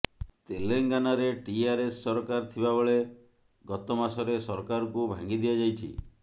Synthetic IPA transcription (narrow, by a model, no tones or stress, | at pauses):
t̪eleŋɡanaɾeʈiaɾesːɔɾɔkaɾt̪ʰibabɔɭe | ɡɔt̪ɔmasɔɾesɔɾɔkaɾɔkubʱaŋɡid̪ijad͡ʒajt͡ʃʰḭ